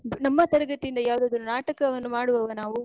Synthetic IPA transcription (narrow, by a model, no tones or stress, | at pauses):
nɐmːɐt̪ɐɾɐɡɐt̪ːijind̪ɐjaːʋud̪aːd̪ɐnːunaːʈɐkɐʋɐnːumaːɽuʋɐʋɐnaːʋu